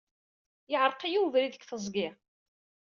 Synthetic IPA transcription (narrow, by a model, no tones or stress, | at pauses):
jɪʕɾˤqijuvɾiðəkːθəzˤɡɪ